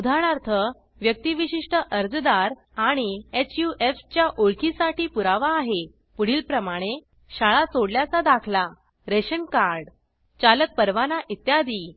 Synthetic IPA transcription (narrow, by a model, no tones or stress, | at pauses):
ud̪ʱaɽ̃aɾt̪ʰə | ʋjək̚t̪iʋiɕiʂʈəʔəɾd͡zd̪aɾ | aɽ̃iet͡ɕjuʔeft͡ɕjaʔoɭkisaʈiːpuɾaʋaːɦe | puɽ̤iːlpɾəmaɽ̃e | ɕaɭat͡soɽljat͡sad̪akʰla | ɾeɕənkaɾɖ | t͡ɕalək̚pəɾʋanaʔit̪jad̪iː